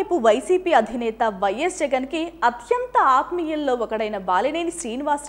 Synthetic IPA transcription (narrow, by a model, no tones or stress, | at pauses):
puʋɐjsiːpiːɐd̪ʱinɛːt̪ɐʋɐjesd͡ʒɛɡɐnkiɐt̪ʰjɐnt̪ɐaːt̪mijɐllo̞ːɔkɐɽɐjnɐbaːlineːniʃɾiːniʋaːs